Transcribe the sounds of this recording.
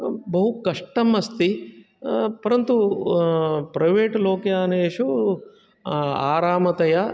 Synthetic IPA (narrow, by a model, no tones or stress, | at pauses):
bɐɦukɐʂʈɐmɐst̪i | pɐɾɐnt̪u | pɾɐjʋeːʈloːkjaːneːʃu | a̰ːɾaːmɐt̪ɐja